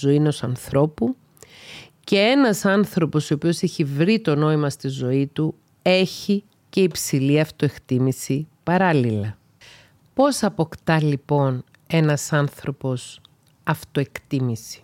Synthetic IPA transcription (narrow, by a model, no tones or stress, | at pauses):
oino̞sɐnθɾo̞pu | ce̞e̞nɐsɐnθɾo̞po̞soopio̞se̞çivɾit̪o̞no̞imɐst̪izo̞it̪u | e̞çi | ce̞ipsiliɐft̪o̞e̞kt̪imisipɐɾɐlilɐ | po̞sɐpo̞kt̪ɐlipo̞n | e̞nɐsɐnθɾo̞po̞s | ɐft̪o̞e̞kt̪imisi̥